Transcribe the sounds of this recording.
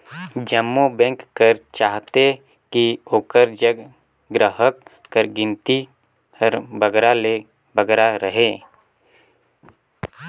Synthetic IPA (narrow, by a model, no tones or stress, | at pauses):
d͡ʒəmːobɛ̃ŋkːəɾt͡ʃaːɦt̪e | kioːkəɾd͡ʒəɡ | ɡɾəɦəkː | əɾɡɪ̃nt̪i | əɾbəɡɾale | bəɡɾaɾəɦeː